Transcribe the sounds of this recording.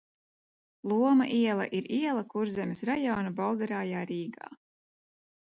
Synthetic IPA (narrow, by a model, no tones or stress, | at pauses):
lˠuɔma̰ʔiɛlˠɐ̰ʔiɾiɛlˠɐkuɾzɛmʲesɾajɔːnabawd̪ɾaːjaːɾiːɡa̰ː